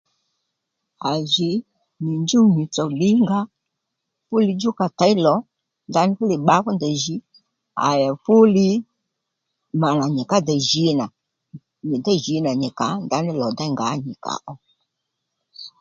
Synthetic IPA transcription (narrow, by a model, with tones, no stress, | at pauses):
a˨zɪ˨ | nɪ˨nd͡ʒu˦ni˨t͡sɔ˨lɪ˦ŋɡa˦ | fʊ˦li˧d͡ʒu˦ka˨ta˨˦i˦lɔ˨˦ | nda˦nɪ˦fʊ˦lɪ˨ɓa˦kɔ˦ndə˨ʒi˨˦ | a̰˨ja˨fʊ˦lɪ˧ | ma˨na˨ɲɛ˨ka˦dɛ˨ʒi˨˦na˨ | ɲi˨da˦ʒi˨˦na˨ɲɛ˨ka˨˦nda˦nɪ˦lɔ˨da˦ŋɡa˨˦ɲɪ˨ka̰˨ʔɔ˨˦